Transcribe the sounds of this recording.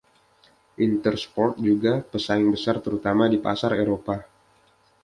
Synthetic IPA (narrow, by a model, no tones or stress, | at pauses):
ʔint̪ərspɔrt̪̚d͡ʒuɡapəsaɪŋbəsart̪əɾut̪amadipa̰saɾeɾopa